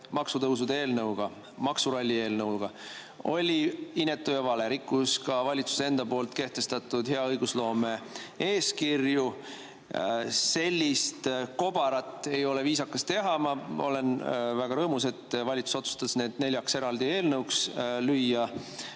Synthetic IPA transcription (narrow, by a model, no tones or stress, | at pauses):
mɑksut̪ɤws̬ud̪eeːlnɤwɡ̥ɑ | mɑksuɾɑlʲːie̞ːlnɤwlɡ̥ɑ | o̞̰lʲiinːet̪ːˑujɑvɑle̞ɾikːˑuskɑvɑlʲit̪su̥see̞nd̪̥ɑpo̞ːlt̪ke̞ht̪e̞st̪ɑt̪ːˑud̪̥he̞ɑɤjɡuslo̞ːme̞eːskirju | se̞lʲːist̪ko̞b̥ɑɾɑt̪ːˑe̞jo̞le̞viːsɑkːɑst̪e̞ɦɑmɑo̞̰le̞nvæɡ̥ɑɾɤːmuse̞t̪ːvɑlʲit̪su̥so̞t̪su̥st̪ɑsne̞ːd̪̥ne̞lʲjɑkse̞ɾɑld̪ie̞ːlnɤwkslyjːɑ